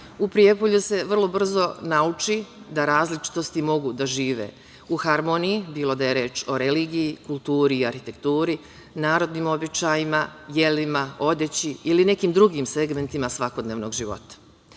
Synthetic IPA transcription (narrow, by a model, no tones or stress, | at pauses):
upɾije̞poʎuse̞ʋr̩lˠo̞br̩zo̞naut͡ʃid̪aɾaːzlit͡ʃi̥t̪o̞st̪imo̞ɡud̪aʒiːʋḛ | uxaɾmo̞nijibiːlˠo̞d̪aje̞ɾe̞ːt͡ʃo̞ɾe̞liːɡijikulˠt̪uːɾiːaɾxit̪e̞kt̪uːɾi | naːɾo̞d̪niːmo̞bit͡ɕajimaje̞limao̞d̪et͡ɕiiline̞kiːmd̪ɾuɡimse̞ɡme̞nt̪imasʋakod̪neːʋno̞ɡʒiʋo̞̰t̪ḁ